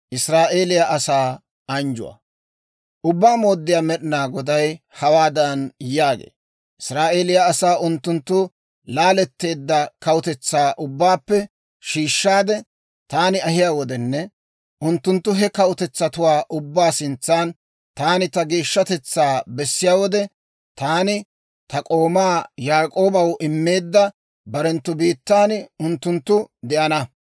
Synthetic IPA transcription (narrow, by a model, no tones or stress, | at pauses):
ʔɪsɾaːʔe̞ːlɪjaʔɐsaː | ɐnd͡ʒʊ̰wɐ̰ | ʔʊbːaːmoːd̪ːɪjaːmɛɗɪnaːɡɔd̪ɐj | hɐwaːd̪ɐnjaːɡḛː | ʔɪsɾaːʔe̞ːlɪjaːsaːʔʊnt̪ːʊnt̪ːʊ | laːlɛt̪ːe̞ːd̪ːɐkɐwʊt̪ɛt͡sːaːʔʊbːaːpːɛ | ʃiːʃːaːd̪ɛ | t̪aːnɪɐhɪjaːwɔd̪ɛnːɛ | ʔʊnt̪ːʊnt̪ːʊɦɛkɐʊt̪ɛt͡sːɐt̪ʊwaːʔʊbːaːsɪnt͡sːaːn | t̪aːnɪt̪ɐɡeːʃːɐt̪ɛt͡sːaːbɛsːɪjaːwɔd̪ɛ | t̪aːnɪ | t̪ɐkʼo̞ːmaːjaːkʼo̞ːbɐwʔɪmːe̞ːd̪ːɐ | bɐɾɛnt̪ːʊbiːt̪ːaːnʊnt̪ːʊnt̪ːʊd̪ɛʔɐnɐ